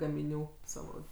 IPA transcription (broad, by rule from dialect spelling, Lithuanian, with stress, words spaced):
ɡɐmʲɪˈnʲuː ˈsɑːʋoː